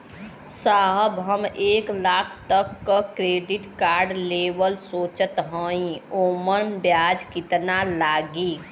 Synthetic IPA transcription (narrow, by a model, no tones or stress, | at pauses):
saɦəbɦəmeːklaːkʰt̪əkːəkɾeːɖɪʈkaːɾɖleːbəlsoːt͡ʃət̪ɦə̃ːĩoːmənbjaːd͡ʒkɪt̪nalaːɡiː